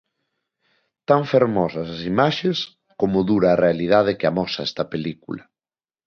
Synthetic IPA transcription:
t̪aɱfeɾmɔsɐsasimaʃes | komʊðuɾaːrealið̞aðekeamɔsaɛst̪ɐpelikṵlɐ

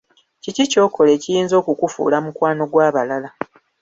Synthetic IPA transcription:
cicico̞ːkʰo̞le̞ːcijiːnzo̞ːkukufṵːlamukwaːno̞ɡwaːβalala

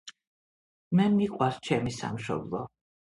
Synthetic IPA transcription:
mɛmiqʼwaɾt͡ʃʰɛmisa̰mʃɔ̰blˠɔ

